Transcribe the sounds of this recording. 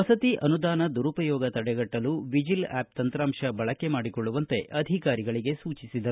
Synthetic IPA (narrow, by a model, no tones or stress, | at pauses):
ɐsɐt̪iʔɐnud̪aːnɐd̪uɾupɐjɔːɡɐt̪ɐɽɛɡɐʈːɐluʋid͡ʒila̰ːp̚t̪ɐnt̪ɾaːmʂɐbɐɭɐkːe̞maːɽikɔɭːuʋɐnt̪e̞ʔɐd̪ʱikaːɾiɡɐɭiɡe̞suːt͡ʃisid̪ɐɾu